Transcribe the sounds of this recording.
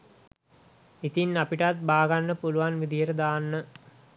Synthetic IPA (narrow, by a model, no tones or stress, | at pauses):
it̪inːapiʈat̪̚baːɡanːəpuluʋanʋid̪ijəʈəd̪aːnːə